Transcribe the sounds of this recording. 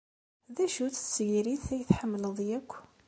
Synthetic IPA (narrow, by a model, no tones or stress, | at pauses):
ðæʃut͡ssʝiɾiθθæjθħəmːləðˤjækʷː